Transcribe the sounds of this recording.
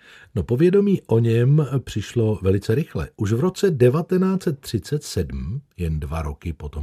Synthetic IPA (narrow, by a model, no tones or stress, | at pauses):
no̞po̞vjɛdo̞miːʔo̞ɲɛmpr̝̥ɪʃlo̞vɛlɪt͡sɛɾɪxlɛ̰ʔuʃvɾo̞t͡sɛdɛvat̪ɛnaːt͡sɛt̪̚ːr̝̥ɪt͡sɛt̪sɛdm̩jɛndva̰ɾo̞kɪpo̞t̪om